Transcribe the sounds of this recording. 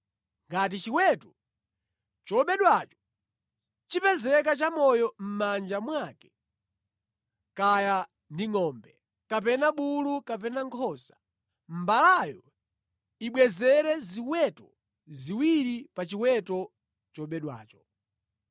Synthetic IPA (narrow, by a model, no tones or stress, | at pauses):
ŋɡat̬it͡ʃiwɛtɔ | t͡ʃɔɓɛɗwat͡ʃɔ̥ | t͡ʃipɛzɛk̬at͡ʃamɔjɔm̩mand͡ʒamwakɛ̥ | kaja | ndiŋɔːmbɛ | kapɛnaɓulukap̬ɛnaŋkʰɔsḁ | m̩balajɔ | iɓwɛzɛɾɛziwɛtɔ | ziwiɾipat͡ʃiwɛtɔ | t͡ʃɔɓɛɗwa̰ːt͡ʃɔ̥